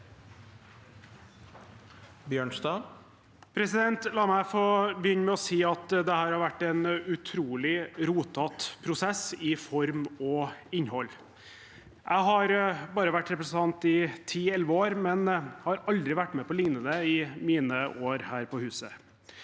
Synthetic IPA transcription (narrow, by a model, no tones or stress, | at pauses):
bjøːɳsd̪ɑ | pʰɾɛsɪd̪ɛnt̪lɑːmæɪfɔbəjʏnmɛɔsiːɑt̪d̪ɛhæːɾhɑɾʋæʈːɛnʉt̪ʰɾuːlɪɾuːt̪ɑt̪pʰɾʊsɛsɪfɔɾmɔɪɲhɔlː | ʔæɪɦɑɾbɑːɾəʋæʈːɾɛpɾəsən̩t̪ʰɑnt̪ɪt̪ʰiːɛlʋəoːɾmɛnhɑɾɑld̪ɾɪʋæʈːmɛːpɔlɪŋnənəɪmiːnəoːɾhæːɾpɔhʉːsə